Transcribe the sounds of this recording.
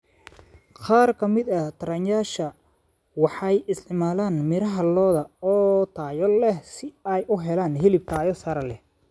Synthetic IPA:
qɑːrkʰɐmɪd̪ɐht̪ʰɐɾɐnjaːʃɐ | wɑħɑjɪst̪ɪʕmaːlaːnmɪɾɐɦɐlɔːðɐɔːt̪ʰaːjɔlɛsɪɐjʔʊɦɛlaːnɦɪlɪb̚t̪ʰaːjɔsɐɾɐlɛ

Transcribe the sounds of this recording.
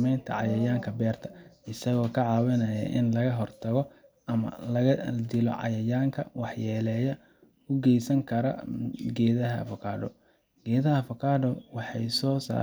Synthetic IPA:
mɛjnt̪ʰɐ̰ʕɑjɐjaːŋkʰɐbɛːrt̪ʰɐ̥ɪsɐɣɔːkʰɐʕɑːwɐnɐjɐ̰ʔɪnlɐɣɐɦɔrt̪ʰɐɣɔ | ɐmɐ̰lɐɐd̪ɪlɔ̰ʕɑ̰jɐjaːŋkʰɐ̰wɑħjɛːlɛjɐ | ʊɡɛjsɐŋkʰɐɾɐɡɛːðɐɦɐ̰fɔkʰaːɖɔ̰ | ɡ̥ɛːðɐɦɐfɔkʰaːɖɔwɑħɑjsɔːsa̰ː

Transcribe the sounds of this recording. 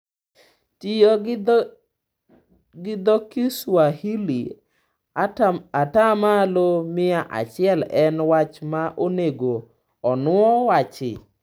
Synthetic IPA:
tio | ɡɪd̪ɔkiswahili | atamalomɪaʔa̰t͡ʃɪɛlɛnwat͡ʃmaʔoneɡo | ɔnʊɔwat͡ʃɪ̰

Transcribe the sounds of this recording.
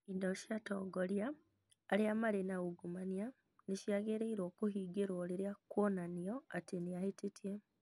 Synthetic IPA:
indoʃiatoɡoljaː | liamalenaɣuɡumanija | niʃjaɡeɾeiɾoːkuhiɡeɾoːliɾjakwonanioatinijahititje

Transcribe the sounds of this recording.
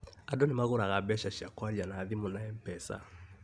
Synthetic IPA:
adɔnimaɣuɾaɣabɛʃaʃakwalianaːðimunajɛm̩pɛsa̰

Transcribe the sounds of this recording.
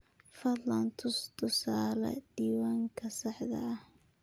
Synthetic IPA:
fɐd̪lɐnt̪ʰʊst̪ʰʊsaːlɐ̰d̪̥iːwaːŋkʰɐsɑħd̪ɐ̰ɐh

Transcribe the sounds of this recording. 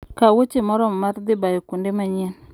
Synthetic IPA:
kawot͡ʃemɔɾommaɾd̪ibajikundemaɲin

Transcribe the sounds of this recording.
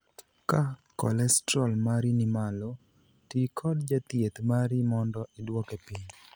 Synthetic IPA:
kakɔlɛstɾɔlmaɾinimalo | tikʰɔdd͡ʒat̪jet̪maɾimɔndɔʔɪdwɔkepɪɲ

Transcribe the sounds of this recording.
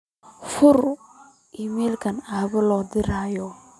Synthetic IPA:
fʊr | ʔimɛːlkʰɐnaːβɐlɔːd̪ɪɾaːjɔ

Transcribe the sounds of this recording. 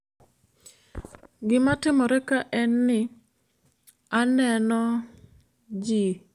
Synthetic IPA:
ɡɪmatɪmɔɾɛkaʔɛnːɪ | anɛnɔ | d͡ʒi

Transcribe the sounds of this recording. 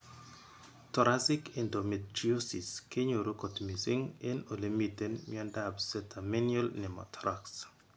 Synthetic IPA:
tɔɾasɪkɛndometɾiosiskeɲoɾokotmisɪŋenolemitenmɪɔndabsɛtamenjɔlnɪmɔ̰tʰɾaks

